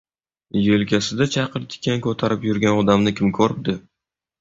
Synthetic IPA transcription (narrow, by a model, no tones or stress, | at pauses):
jelkʲʰasɪd̪at͡ʃʰɑqɨɾt̪ʰʲɪ̥kʲʰːankʰɵt̪ʰaɾɪpjʊɾɡʲanɒd̪amnɪkʲɪmkʰɵɾɪp̚d̪ɪ